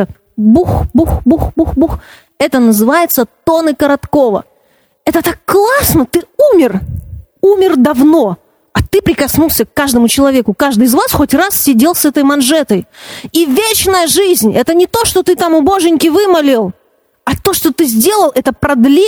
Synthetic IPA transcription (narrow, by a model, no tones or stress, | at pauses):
buxbuxbuxbuxbux | ɛt̪ənəzɨvajɪt̪sət̪o̞nɨkəɾɐt̪ko̞və̰ | ɛt̪ət̪akːlˠasnət̪ɨumʲɪr | umʲɪrd̪ɐvno̞ | ɐt̪ɨpɾʲɪkɐsnulˠsʲəkːaʐd̪əmʊt͡ɕɪlˠɐvʲekʊkaʐd̪ɨɪzvasxotʲrassʲɪdʲe̞lˠsɛt̪əjmɐnʐɛt̪əjivʲet͡ɕnəjəʐɨzʲnʲɛt̪ənʲɪt̪o̞ʂt̪o̞t̪ɨt̪amʊbo̞ʐɨnʲkʲɪvɨmɐlʲɪlˠ | ɐt̪o̞ʂt̪o̞t̪ɨzʲdʲe̞lˠəlˠʔɛt̪əpɾɐd̪lʲi